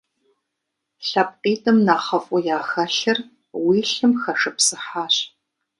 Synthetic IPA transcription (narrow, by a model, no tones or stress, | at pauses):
ɬɐp̚qiːtʼɐmnaːχɐfʷʼʊjaːxɐɬɐr | wiːɬɨmxɐʂɨpsɨħaːɕ